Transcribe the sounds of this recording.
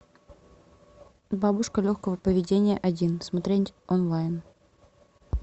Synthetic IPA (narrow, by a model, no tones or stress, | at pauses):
babʊʂkəlʲoxkəvəpəvʲɪdʲenʲɪjəʔɐdʲinsmɐt̪ɾʲenʲɔnlˠajn